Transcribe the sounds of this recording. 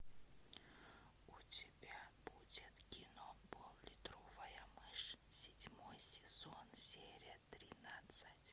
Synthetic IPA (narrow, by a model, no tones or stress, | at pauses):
ʊtʲɪbʲab̥udʲɪt̪kʲɪnobolˠlʲɪt̪ɾovəjəmɨʂsʲɪdʲmojsʲɪz̥onsʲeɾʲɪjət̪ɾʲɪnat̪sɨtʲ